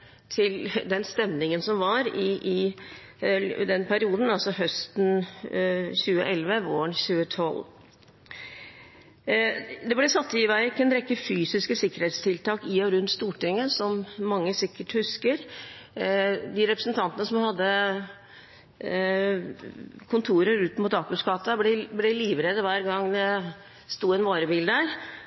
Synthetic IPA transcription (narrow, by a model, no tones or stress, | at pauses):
t̪ʰɪld̪ɛnst̪ɛmnɪŋənsɔmʋɑɾɪɪ | d̪ɛnpʰæɾɪuːd̪n̩ɑlsɔɦœst̪n̩ | çʉːəʔɛlʋəʋoːəɳçʉːət̪ʰɔl | d̪ɛblɛsɑt̪ːɪʋæɪkːɛnɾɛkːəfyːsɪskəsɪkːəɾhɛːt̪st̪ʰɪlt̪ɑːkɪɔɾʉnt̪st̪uːʈɪŋːəsɔmːɑŋːəsɪkːəʈhʉskəɾ | d̪ɪɾɛpɾəsnt̪ʰɑnt̪ənəsɔmhɑd̪ːə | kʰʊnt̪ʰuːɾəɾʉːt̪muːt̪ɑːkʉskɑːt̪ɑblɛblɛliːʋɾɛd̪əʋæːɾɡɑŋd̪ɛ | st̪uːɛnʋoːɾəbɪːld̪æɾ